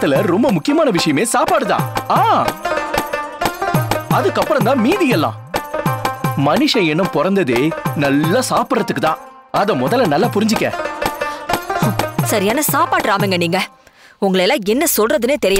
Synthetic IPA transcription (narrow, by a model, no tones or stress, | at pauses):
t̪ːɯlɐɾɔmbɐmʊkːɪjɐmaːnɐʋɪʂɐjɐmeːsaːpaːɽɯðã̰ːaː | ɐðɯkːɐpːɯɾɐ̃nd̪ãːmiːðɪjɛlːã̰ː | mɐnɪʂɐ̃ɛnːɯ̃mpɔɾɐnd̪ɐðeːnɐlːasaːpɪɾɐt̪ːɯkːɯt̪ãː | ɐðɛmɔðɐlːɐnɐlːaːpʊɾɪɲd͡ʒɪkːɛ̰̃ː | sɐɾɪjaːnɐsaːpaːʈɾaːmeŋɡɐniːŋɡɐ | ʊŋɡɐɭɛlːãːɛnːɐsɔlɾɐðɯneːt̪ɛɾɪj